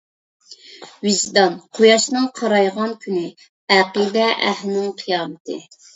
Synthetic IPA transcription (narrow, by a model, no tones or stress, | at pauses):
vizd̪ɑnqʰojɑʃnɨŋqʰɑɾɑjʁɑnkʲʰynɪ | æqid̪ɛʔæ̰hlɪnɪŋqʰijɑːmɨt̪ʰɨ